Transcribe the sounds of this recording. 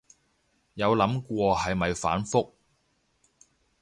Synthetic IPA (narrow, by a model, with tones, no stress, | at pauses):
jɐ˨˧wlɐ˨˥mkʷɔː˧hɐ˨jmɐ˨jfa̰ː˨˥nfʊ˥k̚